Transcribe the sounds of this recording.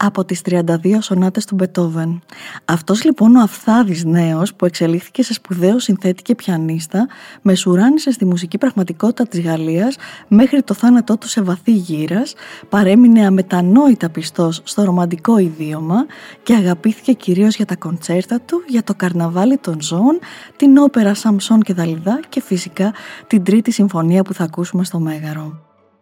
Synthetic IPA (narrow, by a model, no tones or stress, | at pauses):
ɐpo̞t̪ist̪ɾiɐnd̪ɐðio̞so̞nɐt̪e̞st̪ube̞t̪o̞venɐft̪o̞zlipo̞no̞ɐfθɐðizne̞o̞spue̞kse̞lixθi̥ce̞se̞spuðe̞o̞sinθe̞t̪i̥ce̞pçɐnist̪ɐme̞suɾɐnise̞st̪imus̬icipɾɐɣmɐt̪iko̞t̪i̥t̪ɐt̪izɣɐliɐsme̞xɾit̪o̞θɐnɐt̪o̞t̪u̥se̞vɐθiʝiɾɐspɐɾe̞mine̞ɐme̞t̪ɐno̞it̪ɐpist̪o̞sːt̪o̞ɾo̞mɐnd̪iko̞iðio̞mɐce̞ɐɣɐpiθi̥ce̞ciɾio̞zʝɐt̪ɐko̞nt͡se̞ɾt̪ɐt̪uʝɐt̪o̞kɐɾnɐvɐlit̪o̞nzo̞ːnt̪ino̞pe̞ɾɐsɐmpso̞nce̞ðɐliðɐce̞fisikɐt̪ind̪ɾit̪isiɱfo̞niɐpuθɐːkusume̞st̪o̞me̞ɣɐɾo̞